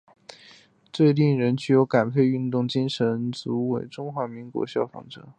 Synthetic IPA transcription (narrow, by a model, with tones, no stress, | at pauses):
t͡swe˥˧ɪli˥˩ŋɻə˧˥nt͡ɕy˧˥˩jo˧˥ʊka˨˩npʰe˥˧ɪy˥˧nt̪ʊ˥˩ŋt͡ɕi˥ŋʂə˧˥nt͡su˧˥we˨˩ɪʈ͡ʂʊ˥ŋxwa˧˥mi˧˥ŋkwɔ̰˧˥ɕjɑ˥˩ʊfɑ̰˧˥ŋʈ͡ʂɤ̰˧˩˦